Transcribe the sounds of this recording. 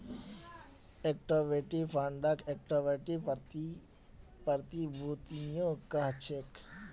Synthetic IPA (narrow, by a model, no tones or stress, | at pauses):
ekʈoʋeʈipʰaɳɖakek̚ʈoʋeʈi | pɐɾt̪ibʱut̪ijõkaɦt͡ʃʰek